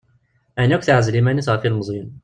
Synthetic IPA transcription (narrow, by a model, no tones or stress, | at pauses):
ʔænːækʷθaʕazlimænisˤfilməzˤjən